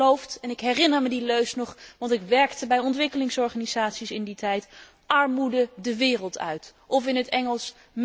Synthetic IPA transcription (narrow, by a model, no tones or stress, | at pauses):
owftɛnɪkɦɛrɪnəɹmədiløɥsnɔχʋɑntɪkʋɛɹktəbɛjɔntʋɪkəlɪŋsɔɹχaːniz̥aːtsisɪnditɛjt | ʔɑɹmudədəʋɪːrəlˠtʰœ̰ɥtʔɔfɪnətɛŋəlˠs | m